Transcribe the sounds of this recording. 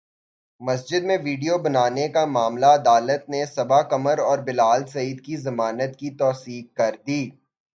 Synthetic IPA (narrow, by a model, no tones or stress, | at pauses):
mɐsd͡ʒɪd̪mẽʋiːɖijobɐnaːnekamaːmlaɐd̪aːlət̪̚nesɐbakɐməɾɔːɾbɪlaːlsɐiːd̪kizɐmaːnət̪kit̪ɔːsiːk̚kːɐɾd̪iː